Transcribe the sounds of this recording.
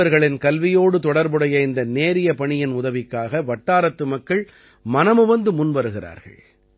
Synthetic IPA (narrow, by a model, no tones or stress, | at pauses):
ɐɾɣɐɭɪnkɐlʋɪjoːɽɯt̪ɔɽɐɾbɯɽɐjɐɪnd̪ɐneːɾɪjɐpɐɳɪjɪnʊðɐʋɪkːaːɣɐʋɐʈːaːɾɐt̪ːɯmɐkːɐɭ | mɐnɐmɯʋɐnd̪ɯmʊnʋɐɾɯɣɪra̰ːɾɣɐ̰ɭ